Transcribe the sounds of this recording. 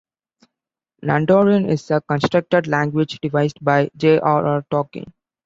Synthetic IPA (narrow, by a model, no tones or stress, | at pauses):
næ̰̃ɳɖoːɾiə̃nɪzəkə̃nsʈɾʌk̚ʈəɖlæ̃ŋɡwɪd͡ʒɖɪʋaɪzɖbaɪd͡ʒeːʔaːɾʔaɾʈɔːkɪ̰̃ŋ